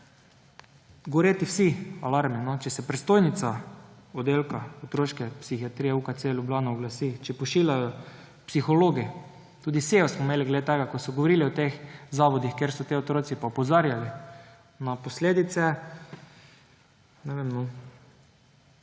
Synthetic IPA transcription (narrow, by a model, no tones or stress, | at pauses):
ɡoʋoɾeːt̪iwsialaɾminɔt͡ʃɛsɛpɾɛst̪oːjnit̪saɔd̪eːlkaɔt̪ɾoʃkɛpsixiat̪ɾiːjɛuːkat̪selʲjublaːnaɔɡlasit͡ʃɛpɔʃiːlʲajɔ | psixɔloɡi | t̪uːd̪iseɔsmɔmeːliɡled̪et̪ɛɡakɔsɔɡoʋoɾiːliɔt̪exzaʋɔd̪ixkeɾsɔt̪iot̪ɾoːtsipaɔpɔzaɾjali | napɔsleːd̪it̪sɛ | nɛʋemnɔ